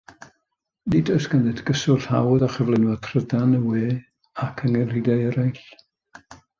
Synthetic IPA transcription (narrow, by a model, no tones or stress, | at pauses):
nidɔjsɡ̥anɛdɡ̥əsʊɬhawðaχəvlˠɛnwɔtʰrədanəweː | akʰəŋɛridajəɾajɬ